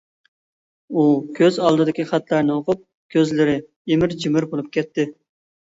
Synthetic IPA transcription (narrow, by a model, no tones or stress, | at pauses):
ukʲʰøzɑlˠd̪ɨd̪ɪkʲiχɑt̪lˠɑɾnɨoqʊp̚ | kʲʰøzlɪɾɪ | emɪɾd͡ʒimɪɾbolˠup̚kʲɛt̪ːɪ